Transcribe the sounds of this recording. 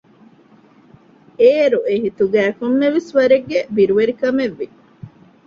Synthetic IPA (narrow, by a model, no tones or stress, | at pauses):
eːɾueɦit̪uɡæːkomːeʋisʋɐɾeɡːebiɾuʋeɾikɐmeʋːi